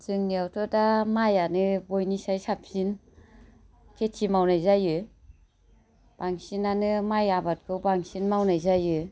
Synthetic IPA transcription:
zɯŋniawtʰɔdamajanɯbojnisajsapsin | kʰetʰimawnajzajɯ | b̥aŋsinanɯmajabat̚kʰɯwbaŋsinmawnajzajɯ

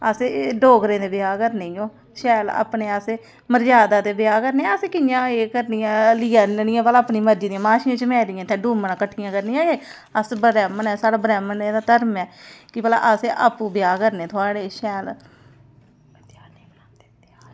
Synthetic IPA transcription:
əseɖoːɡɾẽːd̪eːbɪjaːkəɾneõː | ʃɛːla̰ːpneːəse | məɾd͡ʒaːd̪aːd̪eːbɪjaːkəɾneːəseːkɪjãːeːkəɾniːãːlɪjaːnɪjãːpəlaːpniːməɾd͡ʒiːd̪iːãːmaːʃɪjãːt͡ʃəmɛ̃ːɾɪjãːt̪ʰẽːɖuːmənãːkəʈʰːɪjãːkəɾnĩãːeː | əsbəɾɛːmənɛːsaːɽaːbɾɛːməneːd̪aːt̪əɾmɛːkɪbəla̰ʔəseʔa̰pːuːbɪjaːkəɾneːt̪ʰʊaːɽeːʃɛːl | t̪jaːniːad̪ea

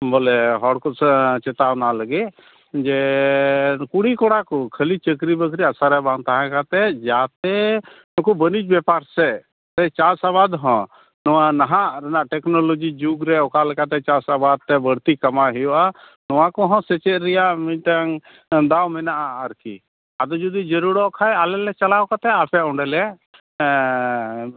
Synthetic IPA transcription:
bolɛɦɔɽkɔst͡ʃɛt̪awnaləɡɛ | d͡ʒɛ | kuɽikɔɽakɔkʰəlit͡ʃəkɾibəkʰɾiasaɾɛbãŋt̪aɦãkat̪ɛd͡ʒat̪ɛ | nɔkubənit͡ʃbɛpaɾsɛ | t̪ɛt͡ʃasabad̪ɦɔ̃ | nɔwanaɦãʔɾɛnaʔʈɛknɔlod͡ʒid͡ʒuɡɾɛɔkalɛkat̪ɛt͡ʃasabad̪̚t̪ɛbəɽt̪ikɐmaɦɛjɔʔa | nɔwakɔɦɔ̃sɛt͡ʃɛɾɛjaʔmĩɲʈaŋ | d̪awmɛnaʔaəɾkḭ | ad̪ɔd͡ʒud̪id͡ʒəɾuɽɔʔkʰajalɛlɛt͡ʃalakat̪ɛapʰɛɔɳɖɛlɛ

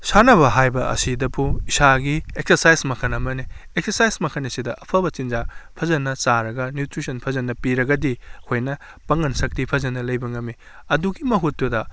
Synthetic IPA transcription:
sanɐβɐɦajbɐʔɐ̰sidɐpʰuisaɡiek̚sɐɾsajsmɐkʰɐnɐmɐni | ek̚sɐɾsajsmɐkʰɐnɐsidɐʔɐpʰɐbɐt͡ʃind͡ʒapʰɐzɐnːɐsaɾɐɡɐnjutɾisɐnpʰɐzɐnːɐpiɾɐɡɐdihʰojnɐ | pɐŋɐnsɐk̚tipʰɐzɐnːɐlɐjbɐŋɐmi | ɐduɡimɐɦutːudɐ

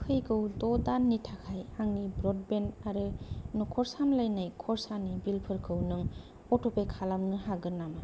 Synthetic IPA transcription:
kʰɯjɡɯwdɔdanːitʰakʰajaŋnibɾɔd̚bentaɾɯnukʰɔɾsamlajnajkʰɔɾsanibilpʰɯɾkʰɯwnɯŋ | ɔtɔpejkʰalamnɯɦaɡɯnːama

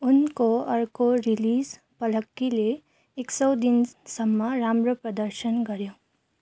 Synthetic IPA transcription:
ʊnkoʌɾkoɾiliz | pʌləkːileː | ksʌwd̪insʌmːʌɾamɾəpɾʌd̪əɾʃənɡʌɾjo

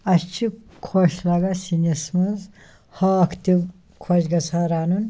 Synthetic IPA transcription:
ɐst͡ʃʰi | kʰoʃlaɡɐsinɐsmɐz | hɐɐkʰt̪i | kʰoʃɡɐsʰaɾaːnun

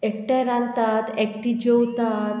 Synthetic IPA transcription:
ek̚ʈaɾãnt̪at̪ɛkʈid͡ʑowt̪at̪

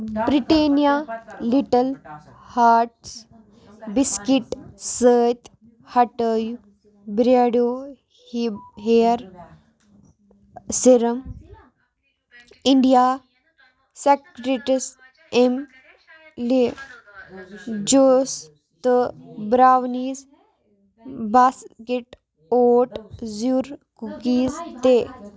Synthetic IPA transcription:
bɾiʈeːnijaːliʈɐl | haːɾʈs | biskiʈsəːt̪ | hɐʈəːju | bɾaɽoː | ɦeːɾ | siɾɐm | iɳɖijaː | sekɾiʈis | em | le | d͡ʒoːs | t̪ɨbɾaːʋniːz | baskeʈ | oːʈzuɾkukiːzt̪e

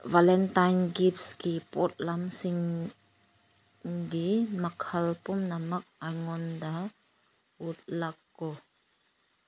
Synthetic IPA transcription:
valɛnt̪ajnɡip̚skipɔt̪̚lamsiŋ | dimɐkʰɐlpumnamɐk̚ajŋɔnda | ut̪̚lɐkːɔ

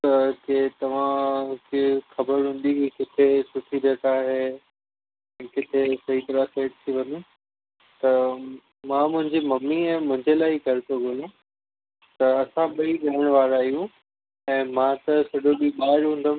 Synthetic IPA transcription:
ket̪ɐʋ̤ãkexɐbəɾɦũːn̆d̪ikekɪt̪ʰesʊʈʰiɾɐt̪aːɦe | ɛ̃ːkɪt̪ʰesɐɦit̪ɐɾaseːʈ̚t̪ʰiʋɐni | t̪ɐ | mãːmʊ̃ɦɪ̃ɲd͡ʑimɐmːiɛ̃ːmʊ̃ɦɪ̃ɲd͡ʑelaːiɡʱɐɾɪtobʱolũ | t̪ɐɐsãɓɐiɗɐɦəɽ̃ʋaːɾaːɦijũ | ɛ̃ːmãːt̪ɐsɐɖoɗiɓaːɾɦũːnd̪əm

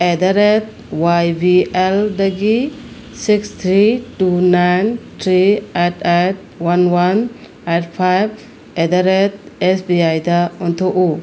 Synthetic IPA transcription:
ed̪aɾet̪̚ | wajbieldeɡi | sikst̪ʰɾitunajntʰɾietet̚wanwan | etpʰajb̚ | ed̪aɾet̪̚esbiajdaɔnt̪ʰoʔu

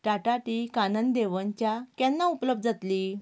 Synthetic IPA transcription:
ʈaʈaʈikanənd̪eʋənt͡ɕjakjanːaupləb̚d̪̚d͡zat̪liː

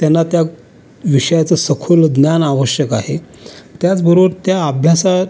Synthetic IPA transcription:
t̪janːat̪ja | ʋiʂəjat͡səsəkʰuld̪njanaʋəɕjəkaɦe | t̪jat͡sbəɾobəɾt̪jaːbʱjasa

